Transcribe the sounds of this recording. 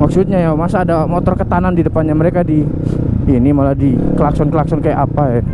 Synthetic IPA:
maksut̪̚ɲajamasaːdamot̪ɔrkət̪anandidəpanɲaməɾekadi | inimaladikəlaksɔnkəlaksɔnkajaʔapaja

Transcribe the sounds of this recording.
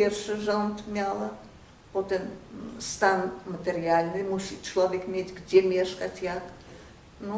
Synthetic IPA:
pʲerʂɨʐant̪mʲalˠɐ | pot̪ɛmst̪anmət̪ʲeɾʲɪalʲnɨmusʲit̪t͡ʃlˠɔvʲekmʲetʲɡdʲemʲeʂkɐtʲjak | nu

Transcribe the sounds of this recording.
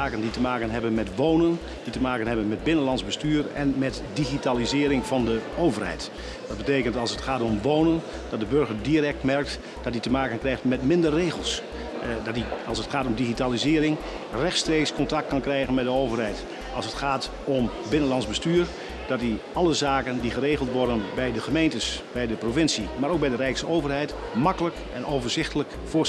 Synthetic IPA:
aːkənditəmaːkənɦɛbənmɛtʋoːnən | d̥itəmaːkənɦɛbənmɛd̚bɪnənlɑnzbəstyːɹɛnmɛt | diɣitaːlizɪːɾɪŋvɑndəowvərhɛ̰jt | dɑd̚bəteːkəntɑlˠsətχaːtɔmʋoːnən | d̥ɑt̚dəbɵɹɣəɹdirɛk̚tmɛrk̚t | d̥ɔt̚ditəmaːkənkrɛjχtmɛtmɪndərːeːɣəlˠs | dɔtiɑlˠsətχaːtɔmdiχitaːlizɪːɾɪŋ | rɛxtstreːkskɔntɑk̚t̚kɑnkrɛjɣənmɛdəowvərɦɛjt | ɑlˠsətχaːt | ɔm | bɪnənlɑnzbəstyːɹ | d̥ɑti | ɑləzaːkəndiχəreːχəlˠtʋɔɹdənbɛjdəχəmejntəsbɛjdəprovɪnsimaːɾowk̚bɛjdərɛjksəowvərɦɛjt | mɑkələk | ɛnoːwvəɹzɪχtələk | fʊ

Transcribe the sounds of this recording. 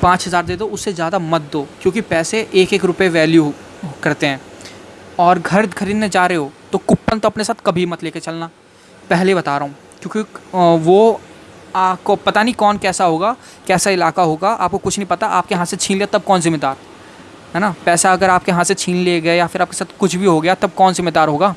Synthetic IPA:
pãːt͡ʃɦɐzaːɾd̪eːd̪oʊsːezjaːd̪amɐt̪̚d̪oːkjõːkipɛːseʔeːkeːkɾʊpeʋɛːlju | kɐɾt̪eɦɛ̃ː | ɔːɾɡʱɐɾkʰɐɾiːd̪mẽd͡ʒaːɾeɦoːt̪okʊpːənt̪oɐpnesaːt̪ʰkɐbʱimɐt̪leːket͡ʃɐlna | pɛɦlebɐt̪aːɾɐɦũː | kjõːkiʋo | aːpkopɐt̪anɐĩkɔːnkɛːsaɦoːɡaː | kɛːsaɪlaːkaɦoːɡaʔa̰ːp̚kokʊt͡ʃʰnə̃ɐ̃ɦĩpɐt̪aʔa̰ːp̚keɦãset͡ʃʰiːnleːat̪ɐb̚kɔːnzɪmeːd̪aːɾ | ɦɛːnapɛːsaɐɡəɾaːp̚keɦãset͡ʃʰiːnleɡɐejafɪɾaːp̚ke̥saːt̪ʰkʊt͡ʃʰbʱiɦoɡɐjat̪ɐb̚kɔːnzɪmːeːd̪aːɾɦoːɡaː

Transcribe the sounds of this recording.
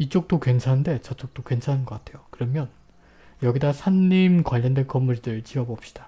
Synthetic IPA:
it͡ɕ͈ok̚t͈okwe̞nsʰande̞t͡ɕʌt͡ɕ͈ok̚t͈okwensʰanɯnɡʌk͈atʰe̞jokɯɾʌmjʌn | jʌɡidasʰanːimkwaʎːʌndwe̞nk͈ʌmːuɲidɯɭt͡ɕiʌbʌp̚ɕ͈i̥d̥a

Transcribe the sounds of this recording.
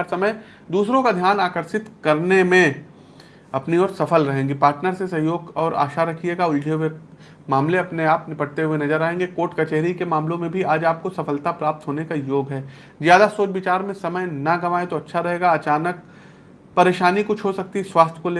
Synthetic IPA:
ɾsɐməj | d̪uːsɾõkad̪ʱjaːnaːkəɾʃɪt̪kɐɾnemẽ | ɐpniɔːɾsɐfəlɾɐɦẽːŋɡipaːɾʈnəɾsesɐɦjoːɡɔːɾʔa̰ːʃaɾɐkʰieːɡaʊld͡ʒʱewe | maːmleɐpneaːpnɪpɐɽt̪eɦuwenɐzəɾaːɦẽːŋɡekoːʈkɐt͡ʃeɦɾikemaːmlõmẽbʱiaːd͡ʒaːp̚kosɐfəlt̪apɾaːp̚t̪ɦoːnekajoːɡɦɛː | zjaːd̪asoːt͡ʃʋɪt͡ʃaːɾmẽsɐməjnɐɡɐʋaːẽt̪oɐtːʃʰaɾɐɦeːɡaɐt͡ʃaːnək̚ | pɐɾeːʃaːnikʊt͡ʃʰɦosɐk̚t̪iswaːst̪ʰkole

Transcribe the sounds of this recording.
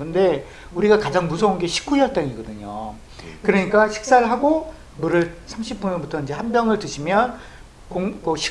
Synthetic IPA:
kɯnde̞ | uɾiɡakad͡ʑaŋmusʰʌunɡe̞ɕʰi̥k͈uiʌt͈aɲiɡʌdɯɲo̰ | kɯɾʌɲik͈aɕʰi̥k̚s͈aɾɭɦaɡo | muɾɯsʰamɕʰip͈unɯbutʰʌind͡ʑe̞hanbjʌŋɯɭtɯɕʰimjʌn | koŋkoɕʰi̥

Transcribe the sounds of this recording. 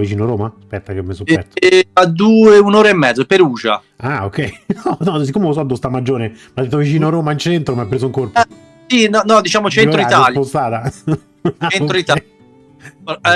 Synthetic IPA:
vit͡ʃiːnoɾoːmaspɛt̪ːakemːesoɛt̪o̥ad̪uːeunoːɾaemːɛd̪zopeɾuːd͡ʒa̰ | ao̰kːɛjnɔnɔs̬ikːomeos̬ɔd̪ost̪amːad͡ʒːoːɾemad̪et̪ːovit͡ʃiːnoaɾoːmaint͡ʃɛnt̪ɾomapːɾes̬ouiŋkorp | sinɔnɔd̪it͡ʃaːmot͡ʃenoit̪alpost̪aːt̪a | et̪ɾoit̪a

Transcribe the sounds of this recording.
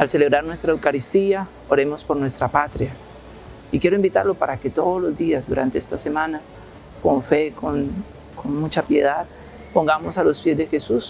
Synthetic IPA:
alse̞le̞βɾaɾnwe̞st̪ɾaewkaɾist̪ia | oɾe̞mo̞spo̞ɾnwe̞st̪ɾapat̪ɾja | ikje̞ɾoimbit̪a̰ɾlo̞paɾake̞t̪o̞ðozlo̞zd̪iazd̪uɾa̰nt̪e̞est̪ase̞mãna | ko̞ɱfe̞kon | konmut͡ʃapje̞ðað | po̞ŋɡamo̞salo̞spjezd̪e̞xe̞sus

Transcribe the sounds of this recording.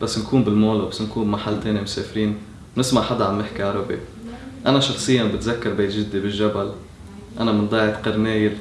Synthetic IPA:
basːnkʰuːmbɪlmoːlbasːnkuːmmaħalːt̪eːnimʊseːfɾiːn | wnɪsmaʕħad̪aʕamːɪħkaʕaɾɑbḛ | ʔanaʃɑxsˤɨjːanbɪt̪zakːɑɾˤbeːt̪ʒɪd̪ːibɪlʒabal | ʔanamɪnd̪ˤɑːʕɪt̪qɑɾneːjɪɾ

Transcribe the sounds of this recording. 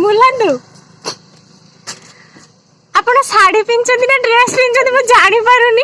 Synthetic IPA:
mulad̪u | apɳ̃ɔsaɽipint͡ʃɔ̃nd̪inaɖɾespint͡ʃɔ̃nd̪imũd͡ʒaɽ̃ipəɾũni

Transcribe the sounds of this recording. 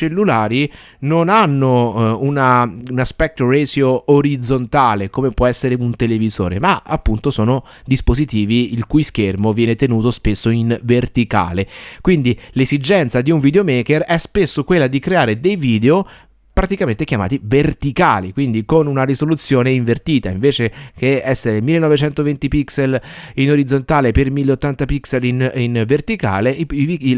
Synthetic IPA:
t͡ʃelːulaːɾi | nonanːounaunaspɛk̚t̪ɾorezjooɾid̪zont̪aːlekomepwɔɛsːeɾeunt̪elevizo̰ːɾḛmaapːunt̪osoːno | d̪ispozit̪iːviilkujskermovjɛːnet̪enuːt̪ospesːoinvert̪ika̰ːlekwind̪ilezid͡ʒɛnt̪sad̪iuɱvid̪eomeːkerɛspesːokwelːad̪ikɾeaːɾed̪ejviːd̪eo | pɾat̪ikament̪ekjama̰ːt̪ivert̪ikaːlikwind̪ikonunarisolut̪sːjoːneiɱvert̪iːt̪aiɱveːt͡ʃekeɛsːeɾemilːenːɔvet͡ʃɛnt̪ovent̪ipikselinoɾid̪zːont̪aːlepermilːeot̪ːant̪apikselininvert̪ika̰ːleivi

